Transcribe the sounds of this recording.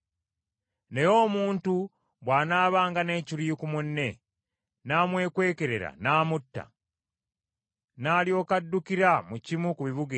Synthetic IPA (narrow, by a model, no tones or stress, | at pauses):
ne̞jo̞ːmuːntu | βwaːnaːβaːŋɡane̞ːciɾiːkumunːe̞ | naːmwe̞ːkwe̞ːke̞ɾe̞ɾa̰naːmutːa̰ | naːljo̞ːkadːukiɾamucimukuβiβuɡi